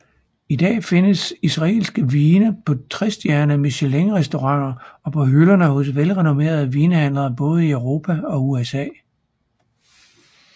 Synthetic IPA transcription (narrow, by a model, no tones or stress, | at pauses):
id̥ɛ̰ːfe̝nəsisʁɑ̈e̝̰ːlsɡ̥əʋiːnəpʰɒ̽t͡sʰʁɛsd̥jæɐnæmeɕeleŋʁɛsd̥o̝ʁɑ̈ŋ̰ɐɒ̽pʰɒ̽ɦylɐnəhɔ̽sʋelʁɛno̝ʋe̝̰ːɐð̞̩ˠʋiːnəhæn̰lɐb̥ɔ̽ːð̞̩ˠiøʊʁo̝ːpʰæɒ̽uesɛ̰ː